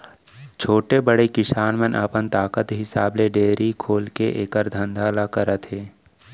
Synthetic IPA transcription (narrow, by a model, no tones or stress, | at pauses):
t͡ʃʰoːʈebəɽekɪsaːnmə̃nʔə̰ːpənt̪aːkət̪ɦɪsaːbleɖeːɾikʰoːlkeʔeːkəɾd̪ʱə̃nd̪ʱaːlakəɾət̪ɦeː